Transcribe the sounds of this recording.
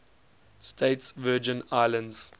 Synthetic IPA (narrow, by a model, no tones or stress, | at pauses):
stʰeɪtsvɜːd͡ʒə̃naɪlə̃ndz̥